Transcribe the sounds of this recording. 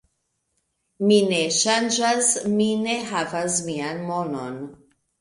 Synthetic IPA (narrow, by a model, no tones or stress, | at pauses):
mineʃand͡ʒasmineɦavasmianmono̰n